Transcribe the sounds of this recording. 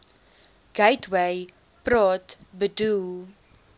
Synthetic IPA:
ɡ̥ɛjtʰwej | pɾɑːtbədulˠ

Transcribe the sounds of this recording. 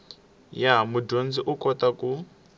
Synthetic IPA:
jamudond͡ziʔukʼɔt̪aku

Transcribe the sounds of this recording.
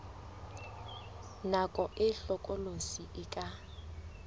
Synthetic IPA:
nakʼɔʔɪɬɔkʼɔlosiʔɪkʼa

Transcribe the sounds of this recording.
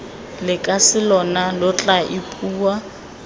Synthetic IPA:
lɪkʼasɪlɔnalʊt͡ɬʼaʔɪpʼuːwa

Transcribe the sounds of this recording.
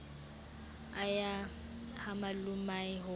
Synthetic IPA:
aja | hamalʊmaɪɦʊ

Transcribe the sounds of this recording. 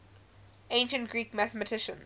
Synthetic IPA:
ẽɪ̃nʃə̃ntɡ̥ɹiːkmaθəmətʰɪʃə̰̃n

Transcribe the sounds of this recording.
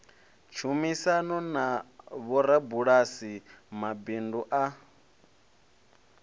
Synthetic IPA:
t͡ʃʰumisanɔnaβɔɾabuɺasimabinduʔa

